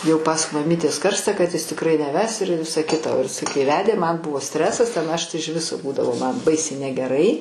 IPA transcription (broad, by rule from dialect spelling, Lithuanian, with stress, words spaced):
jɛʊ pɐs mɐˈmʲiːtʲeːs ˈkɐrstɐ kɐt jɪs tʲɪkˈrɐɪ nʲɛˈʋʲɛs ɪr ˈʋʲɪsɐ ˈkʲɪtɐ oː jɪˈsɐɪ kɐɪ ˈʋʲæːdʲeː mɐn ˈbʊʋoː ˈsʲtʲrʲæːsɐs ˈtʲɛn ˈɐʃ ˈtɐɪ ɪʃ ˈʋʲɪsoː ˈbuːdɐʋoː ˈmɐn ˈbɐɪsʲɛɪ nʲɛɡʲɛˈrɐɪ